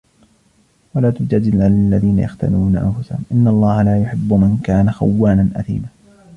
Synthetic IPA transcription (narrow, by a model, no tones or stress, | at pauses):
walaːt̪ʊd͡ʒad̪ɪlʕalalːaðiːna̰jaxt̪a̰luːnaʔa̰nfʊsahʊmʔɪnːalˤːɑːhalaːjʊħɪbːʊmankaːnaxa̰wːaːnanʔa̰θḭːmaː